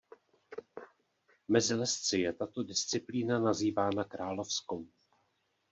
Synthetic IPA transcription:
mɛzɪlɛst͡sɪjɛt̪at̪o̞dɪst͡sɪpliːnanaziːvaːnakɾaːlo̞fskow

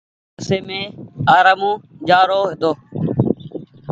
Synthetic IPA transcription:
əseːmẽːaːɾəmõː | d͡ʒaːɾoːɦɪt̪oː

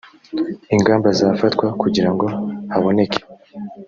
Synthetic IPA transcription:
iŋɡaːmbazaːfatkwakuɟiɾaŋɡo̞haβo̞ne̞ke̥

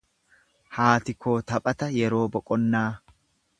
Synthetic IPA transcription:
haːt̪ɪkʰo̞ːt̪ɐpʼɐt̪ɐjɛɾo̞ːbɔkʼɔnːaː

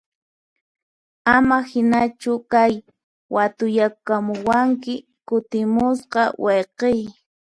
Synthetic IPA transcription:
amahɪnat͡ʃʊkaj | wat̪ʊjakamʊwaŋkɪ | kʊt̪ɪmʊsqɑwʔeqej

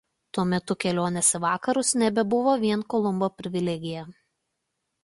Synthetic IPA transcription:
t̪uɔmʲɛt̪ʊkʲɛlʲoːnʲɛsʲɛʋɑːkɐɾʊsnʲɛbʲɛbʊʋoːʋʲiɛnkɔlˠʊmboːpʲɾʲɪʋʲɪlʲɛɡʲɪjɛ

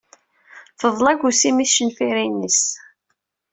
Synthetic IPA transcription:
fəðˤlæɡʷusimiθʃənfiɾinːəs

